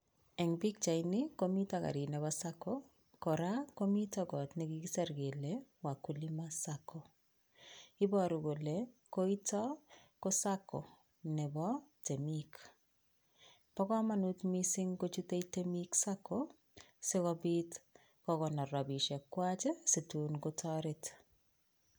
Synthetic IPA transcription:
ɛ˨ŋbi˦k̚t͡ʃa˨inɪko˦mi˦ta˨ka̰˨ɾi˨nɛ˨bɔsa˦ko | kɔ˨ɾa˦ko˦mi˦tɔ˦ɡɔ˨tnɛ˨ɡi˦ɡi˦sɛ˦ɾɡe˨lewa˨ku˨li˦masako˨ | ɪ˦bɔ˦ɾu˨ɡo˨le˨ko˦i˦tɔ˦ko˦sa˦ko̰˨ | nɛ˨bɔ˦te˨mik | pɔ˦kɔ˦ma˦nu˦tmisɪ˦ŋko˦t͡ʃu˦te˦itemiksakʰo | sɪ˦kɔbit | kɔkɔ˨nɔ˨ɾɔ˨bi˨ʃɛ˨kːwat͡ʃɛ˦si˨tu˨nɡotʰɔɾɪ˦t

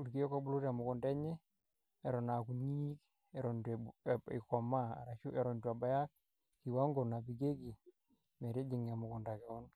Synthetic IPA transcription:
u˨ɾki˦jɔ˦ko˦bu˦lu˦ta˨mʊ˨kʊ˨ndɛ˦ɲɛ˦ | ɛ˨ɾɔ˨na˨ku˨ɲi˦k | ɛ˨ɾɔ˨ndḭ˨kɔ˨ma˦a̰˨ɾa˨ʃu˦ʔɛ˨ɾɔ˨ndua˨ba˨ja˦k̚ | ki˨wa˦ŋɡo˨na˨pi˨ɡe˦ki˨ | mɛ˨ɾe˦d͡ʒi˨ŋ˨a˨mʊ˨kɔ˨nda˨kɛ˨ɔ˦n

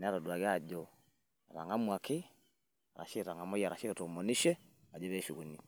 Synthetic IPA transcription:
n˨˦a˦ɾɔ˨du˨a˨ɣe˦a˦˨d͡ʒɔ˨ | a˨ɾa̰˨ŋa˦mwa˨kʰɪ˦ | a˨ɾa̰˨ʃe˦˨ɾa˨ŋa˨mɔ˦ja˨ɾa˨ʃe˦˨ɾo˨mɔ˨ni˦ʃɛ˦a˨d͡ʒɔ˦βɛ˦ʃu˨ɣu˨ni˦

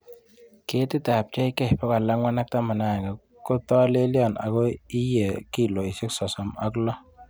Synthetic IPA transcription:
ke˨˦tɪ˦ta˨p̚t͡ʃɛ˦i˦kɛ˦˨pɔ˦ka˨la˦ŋwa˦na˦k̚ta˦ma˨na˨ɡɛ˨ | ko˦tɔ˦le˦li˦ɔ˨na̰˨ko˦i˦je˨ki˦˨lo˨i˨sɪ˦ksɔ˨sɔ˨ma̰˦klɔ˦

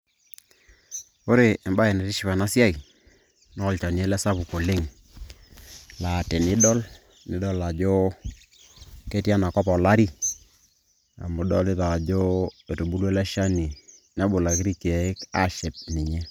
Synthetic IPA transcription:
o˦ɾe˨ɛ˨mba˦ɛ˨ne˨ɾɪ˦ʃi˦˨pa˨na˦sja˦i˨ | nɔ˦˨lt͡ʃa˨ni˨e˦lɛ˦sa˦pu˨ko˨lɪ˦ŋ | la˨te˨nɪ˦dɔ˦l | nɪ˨˦dɔ˦la˨d͡ʒo˦ | ke˦tja˦na˨kɔ˦pɔ˨la˦ɾi˦ | a̰˨mʊ˨dɔ˦lɪ˦ða˨d͡ʒo˦e˨to˨bu˦lwe˦la˦ʃa˦ni˨na˦bʊ˨la˨kɪ˦ɾi˦ka˨ɪ˦ka˦ʃe˨p̚nɪ˨ɲɛ˦

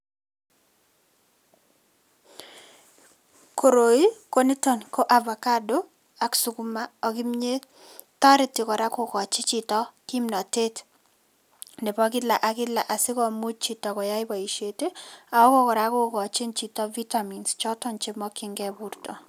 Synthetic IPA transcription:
ko˨ɾo˨i˦ko˦ni˦tɔ˨nko˦ʔa˨vɔ˨ka˦do˦ | a˨ksu˨ku˦ma˦ɔ˨ɡɪ˦mɲe˦ | ta˦ɾɪ˦tɪ˨kɔ˨ɾa˦ko˨kɔ˨t͡ʃɪ˦t͡ʃi˨tɔ˦ki˦mnɔ˨te˦t | ne˨pɔ˦k̬ɪ˦la˨ʔa˨kɪ˦la˨ʔa˨sɪ˦kɔ˦mu˦t̚t͡ʃi˨tɔ˨kɔ˨ja˦ɪ˦bɔ˨i˨ʃe˨te˦a˨ɔ˦kɔ˦kɔ˨ɾa˨ko˦kɔ˨t͡ʃɪ˦nt͡ʃi˨tɔ˦vi˦ta˨mi˨nst͡ʃɔ˦tɔ˦nt͡ʃɪ˦mɔ˦kɪ˦ŋɡɛ˦bu˦ɾtɔ˨

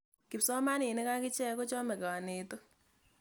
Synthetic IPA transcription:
kɪ˨psɔ˦ma˦nɪ˨nɪ˦ka˦kɪ˦t͡ʃɛ˦ko˦t͡ʃɔ˦mɛ˨ka˨ne˨to˦

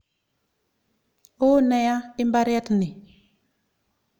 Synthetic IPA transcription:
o˦nɛ˨ja˦i˦mba˦ɾja˦tni˨

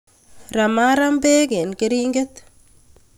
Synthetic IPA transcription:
ra˨ma˦ɾa˦mbe˦ke˨nkɪ˦ɾi˦ŋɡɪ˦t̪

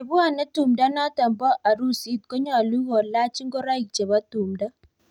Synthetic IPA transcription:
bu˦a˦˨nɛ˦tu˨mda˦na˦ta˨mbɔ˦ʔa˨ɾu˦si˦t̪̚kɔ˦ɲɔ˦a˨lu˦ɣɔ˨la˦t͡ʃi˦ŋɡɔ˦ɾa˦jk̚t͡ʃe˨βa˦tu˨mda˦

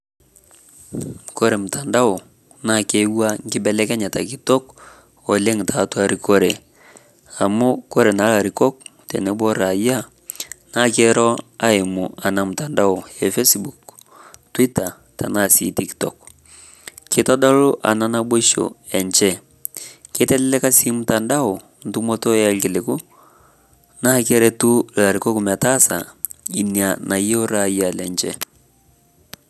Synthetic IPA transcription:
ko˦ɾe˨mʊ˨ta˨nda˦ʊ˨ | na˦˨ke˦wa˦ŋ˦ɡɪ˦bɛ˦lɛ˦kɛ˦ɲa˨ta˨ki˦tɔ˦k | ɔ˨le˦ŋtʰa˨twa˨ɾi˦ko˦ɾe˨ | a˨mʊ˦ko˦ɾe˨na˨˦la˨ɾi˨kɔ˦k̚tɛ˨nɛ˦bɔ˦ɾa˨ja˦ | na˦ke˦ɾɔ˦a˦ɪ˨mʊ˨a˨na˨mʊ˨ta˨nda˦ʊ˨ɛ˨fe˦sbu˨k | twi˦ta˨ | tʰa̰˨na˦˨sḭ˨tiktɔ̰˨k | kɪ˦tɔ˦da˦lʊ˦ʔa̰˨na˦na˦bo˦ʃo̰˨ɛ˨nt͡ʃɛ˦ | kɪ˦tɛ˦lɛ˦lɛ˦ka˦si˦mʊ˦ta˨nda˦ʊ˨ | n̩tu˦mo˦to˦a˦lkɪ˨le˨ku˦ | na˦kɛ˦ɾɛ˦tu˦la˨ɾi˨ko˦ku˨ma˨ta˦sa̰˨i˨nia˨na˨je˦o˦ɾa˨ja˨lɛ˨nt͡ʃɛ̰˦

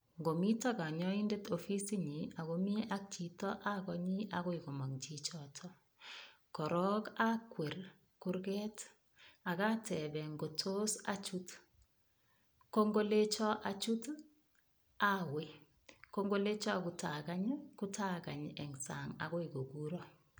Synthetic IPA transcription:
ŋɡo˨mi˦taka˨ɲɔ˦inde˦tʰofi˦si˦ɲia˨ɣomi˦a˦k̚t͡ʃi˨tɔ˦ʔa˦kɔɲiʔaɣo˦iko˨mɔ˨ŋt͡ʃit͡ʃɔtʰɔ | kɔɾɔkakwe˨r | kuɾɡɛt | a˨ka˦tʰɛbɛ˨ŋɡo˨tʰo˦sa̰˦t͡ʃut | ko˦ŋɡo˦le˦t͡ʃɔ˦ʔa˨t͡ʃu˦t | awe | koŋɡo˦le˦t͡ʃɔ˦a˨kutʰaka˦ɲku˦tʰaka̰˨ɲɛ˨ŋsa̰ŋa̰ɣo˦iko˨ɡu˦ɾɔ

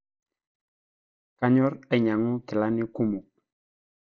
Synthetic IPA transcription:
ka˦ɲɔ˦ɾɛ˨ɲa˨ŋʊ˦kɪ˨la˦nɪ˦ku˦mu˨k̚

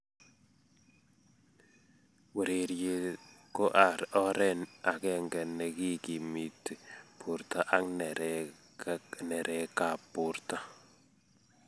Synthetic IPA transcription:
we˨ɾe˨ɾje˨ko˦ʔa˨ɾɔ˦ɾɛ˦na˨kɛ˦ŋɡɛ˨nɛ˨ki˦ki˨mi˨tpʰʊ˨ɾt̪a˨ʔa˦ŋnɛ˨ | nɛ˨ɾʔɛ˨ka˨pʊ˨ɾt̪a˦

